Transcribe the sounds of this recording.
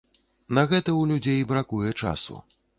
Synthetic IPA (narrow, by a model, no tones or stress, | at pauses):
nɐɣɛt̪ɐwlʲud͡zʲejbɾakujɛt͡ʂa̰sṵ